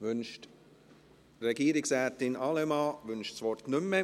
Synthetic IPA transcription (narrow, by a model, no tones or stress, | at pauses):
vʏnʃt | rɛɡ̥iːɾɪksʁɛːtɪnɑləmɑːvʏnʃsvɔɾtnʏmə